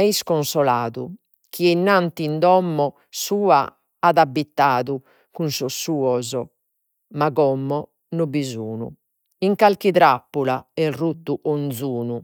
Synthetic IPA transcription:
ɛiskɔnsɔlaːðṵ | kʰiɛnːant̪ind̪ɔmːɔ | suːa | aðabːit̪ːaːðu | kunsɔsːuːɔzɔ | maɣɔmːɔ | nubizuːnṵ | iŋkalkiðɾapːulaɛrut̪ːuʔond̪zuːnu

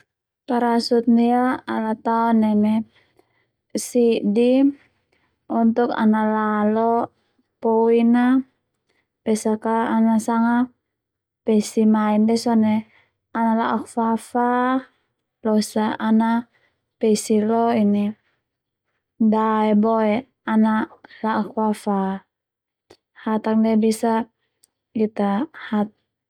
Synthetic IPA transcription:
kaɾasut̪̚niaalat̪aɔnːɛmɛ | sidi | unt̪uka̰nalalɔ | pɔina | pɛsakaːnasaŋa | pɛsimaindɛsɔnɛ | analaʔakfafa | lɔsaʔana | pɛsilɔini | daɛbɔɛ | analaʔakfafa | hat̪ak̚dɛbisa | kit̪ahat̪̚

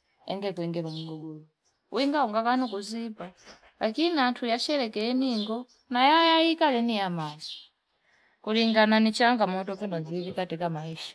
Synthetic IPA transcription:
ɛ̰ŋɡɛkuɛŋɡɛmumuɡuɡulɔ | wiŋɡauŋɡakanɔkuzipa | lakiniantʰujat͡ʃɛlɛkɛɛniŋɡɔ | najajaikalɛnijamazɔ̥ | kuliŋɡananit͡ʃaŋɡamɔtɔpɛnɔnzilikatɛkamaiʃḁ

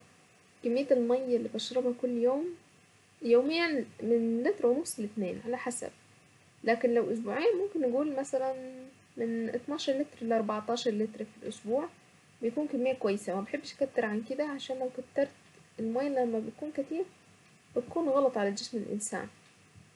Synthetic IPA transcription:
kemːejːæelmæjːelːiːbt̪eʃɾɑbhɑkolːjoːm | joːmejːænmenlet̪ɾɑwnufselet̪nḛːnʕalæħasæ̰b̥̚ | læːkenlæwʔosbuːʕejːænmomkenːeɡuːlmæsælæn | menʔḛt̪ˤnɑːʃɑɾˤlet̪ɾlʔɑɾˤbɑʕt̪ˤɑːʃɑɾˤlet̪ɾfilʔosbuːʕ | bejkuːnkemːejːækwæjːesæmæbeħebːʃkæt̪ːeɾʕanked̪æʕaʃæːnlæwkæt̪ːɑɾˤt̪elmæjːælæmːæbej̪kuːnkæt̪iːɾ | bet̪kuːnɣɑlɑt̪ˤʕalæd͡ʒesmelʔḛnsæ̰ːn

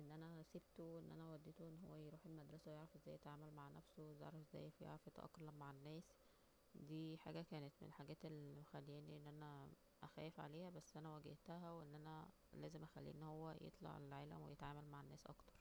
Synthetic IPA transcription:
ʔenːʔænæseb̚t̪oʔenːʔænæwæd̪ːet̪oʔenːɦowːæjɾuːħelmæd̪ɾˤɑsæwejeʕɾɑfʔezːæːjːet̪ʕaːmælmaʕnæfsowezḛʕɾɑfezːæ̰ːjfæjḛʕɾɑfet̪ʔɑ̰kːɑlæmmaʕenːæːs | d̪iːħa̰ːɡækæːnet̪mḛlħaɡæːt̪elːmxælːiːniʔenːʔænæ | ʔæxæːjefʕa̰leːhæbæsːʔænæwæɡeht̪æɦæweʔenːʔænæ | læːzemʔæxælːḭːʔḛnːhowːæjʔḛt̪ˤlɑ̰ʕḛlʕaːlæ̰mwḛjet̪ʕaːmælmaʕenːæːsʔɑ̰kt̪ɑ̥ɾˤ

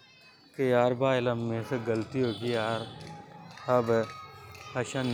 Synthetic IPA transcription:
kejaːɾbaːɪlɐmːẽseɡɐlt̪iɦoːɡijaːɾ | ɐb | ɐʃãn

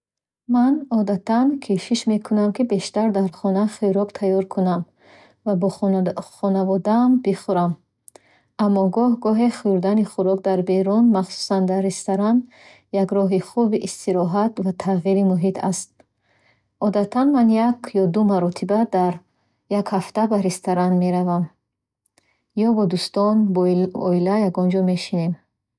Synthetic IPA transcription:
manɔd̪at̪ʰankʰeʃiʃme̞kʰunamkibe̞ʃt̪aɾd̪aɾχɔnaχiɾɔkt̪ʰajɔɾkʰunam | vabɔχɔnavɔd̪aːmbiχuɾam | amːɔɡɔhɡɔɦeχuɾd̪aniχuɾɔk̚d̪aɾbe̞ɾunmaχsu̥sand̪aɾest̪aɾan | jaɡɾɔɦiχubiʔist̪iɾɔɦat̪vat̪ʰaʁiɾimuɦit̪ʰa̰st̪̚ | ɔd̪at̪ʰanmanjakjɔd̪umaɾɔt̪ʰibad̪aɾ | jakhaft̪abaɾest̪ʰaɾanme̞ɾavam | jɔbɔd̪ust̪ɔnɔilajaɡɔnd͡ʒɔme̞ʃinem

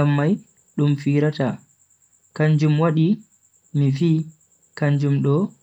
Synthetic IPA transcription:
amːaj | ɗumfiːɾata | kaɲd͡ʒumwaɗi | miviː | kaɲd͡ʒumɗɔ

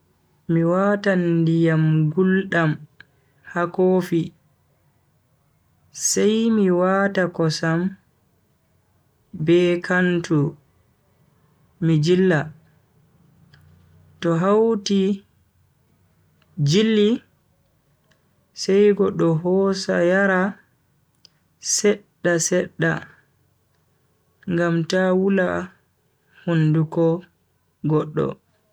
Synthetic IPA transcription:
miwaːtandijamɡulɗam | hakoːfi | sajmiwaːtakɔsam | bɛkʰantʰu | mid͡ʒilːa | tɔɦawti | d͡ʒilːi | sɛjɡɔɗːɔɦɔsa̰jaɾa | sɛɗːasɛɗːa̰ | ŋɡamtawula | hundukɔ | ɡɔɗːɔ̰

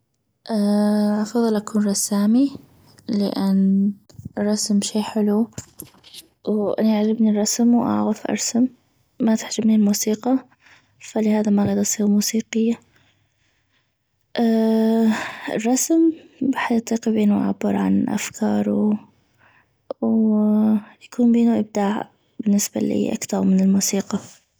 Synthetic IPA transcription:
ʔaːʔɑfɑðˤɨlʔakuːnɾˤɑsaːmi | lɪ̰ʔɪnː | rˤːɑsmʃiːħɪlu | wʔa̰naʔʕad͡ʒɪbnirˤːɑsmwʔa̰ʕɣafʔɑ̰ɾˤsamː | at̪ɪ̥ħd͡ʒabnilmuːsiːqɑ | falɪhaːðamaɣaːd̪ʔɑsˤiːɾmuːsiːqɪjːa | ʔaː | ɪ̰rˤːɑsmbaħajʔɑt̪ˤiːqibiːnuʔa̰ʕabːɪɾˤʕa̰nʔa̰fkʰɑːɾˤu | w | jakuːnbiːnuʔɪb̚d̪aːʕ | bɪnːɪsba̰lḭːʔa̰kt̪ɑɾˤmɪnɪlmuːsiːqɑ

